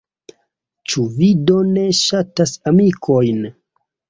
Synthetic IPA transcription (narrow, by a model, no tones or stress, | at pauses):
t͡ʃuvido̞ne̞ʃatasamikʰo̞jn